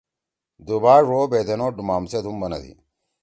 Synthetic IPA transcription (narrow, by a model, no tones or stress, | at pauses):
d̪ubaːʐoːbeːt̪enoːɖumaːmset̪umbɐnɐ̰d̪ḭ